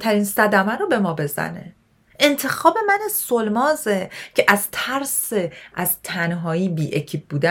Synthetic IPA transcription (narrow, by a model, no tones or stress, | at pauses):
t̪ʰæɾiːnsæd̪æmæɾɔbe̞mɒːbe̞zæ̰ne̞̰ | ʔe̞nt̪ʰe̞xɒːbe̞mænesolmɒːzecʰe̞ʔæz̥t̪ʰæɾseʔæz̥t̪ʰænɦɒːiːbiːʔecʰiːb̚buːd̪æ